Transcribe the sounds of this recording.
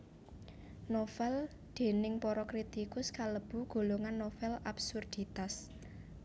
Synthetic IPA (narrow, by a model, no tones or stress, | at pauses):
nofɛl | d̪̥e̤nɪŋpɔɾɔkɾit̪ikʊskaləb̥ṳɡ̥o̤loŋanːofɛlabsurd̪̥i̤t̪as